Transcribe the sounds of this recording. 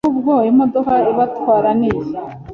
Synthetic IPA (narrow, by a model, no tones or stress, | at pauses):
ubɡoːjemod̪okaiβatwaːɾaniʃa